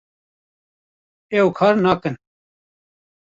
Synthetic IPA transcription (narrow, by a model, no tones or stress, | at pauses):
ewkʰaːɾnaːkən